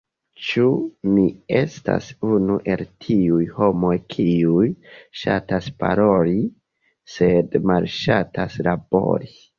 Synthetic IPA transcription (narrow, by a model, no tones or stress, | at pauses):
t͡ʃumiesta̰sunuʔe̞ltʰiujho̞mo̞jkʰiujʃa̰taspa̰ɾo̞li | se̞dmalʃataslabo̞̰ɾi